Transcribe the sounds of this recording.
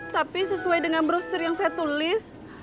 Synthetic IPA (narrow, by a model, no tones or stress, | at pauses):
t̪apisəsuajdəŋanbəɾosɪrjaŋsajat̪ulɪs